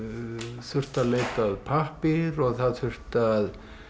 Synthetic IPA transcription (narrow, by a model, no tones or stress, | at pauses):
θʏr̥t̪aleːjt̪aðpʰahpɪɾɔɣθaðθʏr̥t̪að